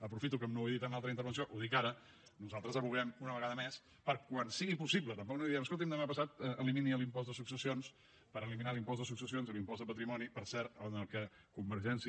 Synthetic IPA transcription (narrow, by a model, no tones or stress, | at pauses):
əpɾufit̪ukəmnoiðit̪analˠt̪ɾəint̪əɾβəns̬ioʔuðikaɾə | nuzalˠt̪ɾəzəβuɣɛmunəβəɣaðəmes | pəɾkwansiɣipusiβlət̪əmpɔk̚noiðiɛməskolˠt̪̬imnd̪əmapəsat̪̚əəliminiəlimpɔzd̪əsuksəsions | pəɾəliminalimpɔz̬d̪əsuksəsionzəlimpɔzðəpət̪ɾimɔnipəɾsɛɾənəlˠkə | kumbəɾʒɛnsi